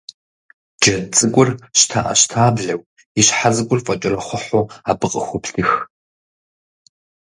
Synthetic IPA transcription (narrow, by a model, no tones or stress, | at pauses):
d͡ʒɐt͡sʼɨɡʷʼʊrɕtʰaʔɐ̰ɕtʰaːbɮɐw | iɕħazɨkʷʼʊrfʼɐt͡ʃʼɪrɐχʷʊħʷoaːbɨqʼəxʷʊpɬɨx